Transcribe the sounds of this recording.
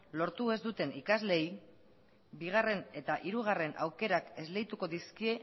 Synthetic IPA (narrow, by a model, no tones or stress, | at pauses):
lo̞ɾt̪ue̞zd̪ut̪e̞nikazle̞ij | biɣ̞are̞ne̞t̪aʔiɾuɣ̞are̞nʔa̰wke̞ɾake̞zle̞jt̪uko̞ðiskie̞